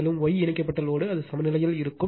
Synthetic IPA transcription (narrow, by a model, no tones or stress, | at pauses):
ɐlɯmʋɔjɪɳɪkːɐpːɐʈːɐloːɽɯɐðɯsɐmɐnɪlɐjɪlɪɾɯkːɯ